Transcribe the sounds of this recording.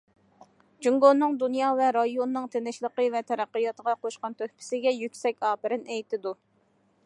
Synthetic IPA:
d͡ʒyŋɡonːɨŋd̪unjɑːvɛɾɑjonːɨŋt̪ʰenɪʃlˠəqəvɛt̪ʰɛɾæqːəjɑt̪əʁɑqʰoʃqɑnt̪ʰøhpʰɪ̥sɪɡʲɛjykʲsɛkʲɑːpɪɾɪnɛjt̪ɪd̪u

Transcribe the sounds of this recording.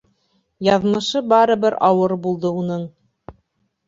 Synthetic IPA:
jɑðmɤ̆ʃɤbɑɾɤ̆βɘɾɑwɤɾbulˠd̪ɤunɤɴ

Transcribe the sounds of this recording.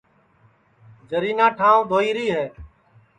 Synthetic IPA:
d͡ʒəɾiːnãːʈʰãːd̪ʱoːiːɾiːɦɛː

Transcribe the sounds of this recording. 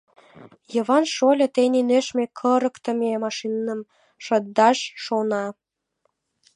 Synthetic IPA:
jəβɑnʃolʲɤ̆t̪eninøʃmekʰəɾə̆kt̪ə̆memɑʃinːə̆m | ʃəd̪d̪ɑʃːonɑ

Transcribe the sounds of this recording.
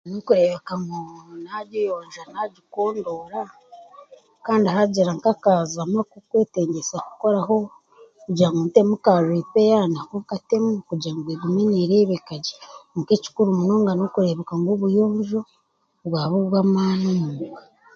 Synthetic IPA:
nokuɾeβekaŋɡonaɟojoːɲʒanaɟikoːndoɾa | kaːndihaɟiɾaŋkakazamakukweːteːɲɟesaku̥ko̞ɾaɦo̞ | kuɟaŋɡonte̞mukaʒiːpejaːnakokate̞mukuɟaːŋɡweɡumweniɾeːβekaɟi̥mukici̥kuɾumunoːŋɡanokuɾeβekaŋɡoβujoːɲʒo̞ | βwaːβuβwamaːnomuuwa

